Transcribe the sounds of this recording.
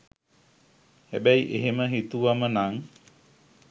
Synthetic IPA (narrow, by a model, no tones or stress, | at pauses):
hæbæiʔeɦeməɦit̪uʋamənaŋ